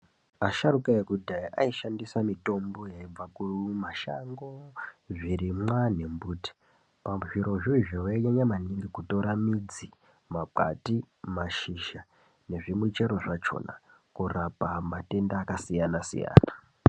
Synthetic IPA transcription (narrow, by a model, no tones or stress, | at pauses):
aʃarukaekudʱaiʔaiʃandisamito̞mbo̞jaib͡vakumaʃa̰ŋɡo̞ʐiɾimwane̞mbuːti̥ | pamʐiɾo̞ʐoiʐowaɲaɲamaniŋɡikutoɾamid͡zi | maǃa̰ti | maʃiʃa | ne̞ʐimwet͡ʃe̞ɾo̞ʐat͡ʃo̞̰na̰ | kurapamate̞ndaːkasijanasḭja̰ːna